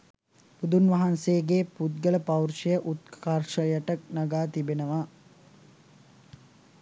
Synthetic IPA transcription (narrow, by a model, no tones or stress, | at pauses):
pud̪unʋɐɦanseːɡepud̪̚ɡələpɐwrʃɐjəʔut̪̚kkarʃəjəʈək̚nɐɡaːt̪ibenəʋa